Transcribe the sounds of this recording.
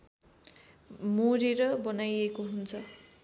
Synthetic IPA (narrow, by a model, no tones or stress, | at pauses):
moɾeɾʌbʌnajekoɦunt͡sʰʌ